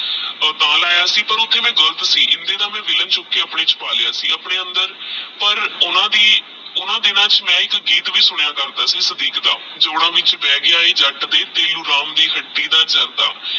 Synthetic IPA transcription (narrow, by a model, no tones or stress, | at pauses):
t̪ãːlaːjaːsiːpəɾʊt̪ʰːeːmɛ̃ːɡələt̪siːʔɪnd̪eːd̪aːmɛ̃ːʋɪlənt͡ʃʊkːeːəpɳeːt͡ʃpaːlɪja̰ːsḭːəpɳeːənd̪əɾpəɾʊnãːd̪iː | ʊnãːd̪ɪnãːt͡ʃmɛ̃ːɪkɡiːt̪ʋiːsʊɳ̃jaːkəɾd̪aːsiːsəd̪iːkd̪a̰ː | d͡ʒoːɽãːʋɪt͡ʃpɛːɡɪaːiːd͡ʒəʈd̪eːt̪eːluːɾaːmd̪iːɦəʈːiːd̪aːt͡ʃəɾt̪a̰ː